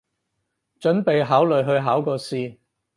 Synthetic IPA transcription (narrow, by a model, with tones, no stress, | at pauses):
t͡ʃɵ˨˥npe˨jɦaː˨˥wlɵ˨ɥɦɵ˧ɥɦaː˨˥wkɔː˧siː˧